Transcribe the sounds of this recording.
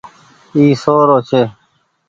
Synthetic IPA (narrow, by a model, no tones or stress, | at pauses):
iːsoːɾoːt͡ʃʰeː